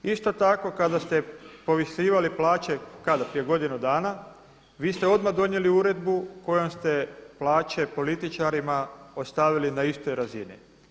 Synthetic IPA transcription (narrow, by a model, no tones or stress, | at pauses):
ist̪o̞t̪ako̞kad̪ast̪e̞po̞ʋisiːʋaliplaːt͡ɕe̞kad̪apɾijeɡo̞d̪inud̪aːna | ʋiːst̪eo̞d̪mad̪o̞nje̞liuɾe̞d̪buko̞jomst̪e̞plaːt͡ɕe̞po̞lit̪it͡ʃaɾimaost̪aʋilinaist̪ojɾazinḭ